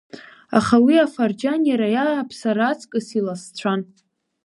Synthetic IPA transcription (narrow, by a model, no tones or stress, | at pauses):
aχawiafard͡ʒanjaɾajaːpʰsaɾat͡sʰkʼɨsilast͡ɕʷʰan